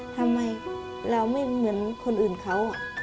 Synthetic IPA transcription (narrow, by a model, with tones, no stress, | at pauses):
t̪ʰa˧mːa˧j | ɾa˧wma˥˩jmɯ˩˦ənkʰo˧nʔɯː˨˩nkʰa˦˥w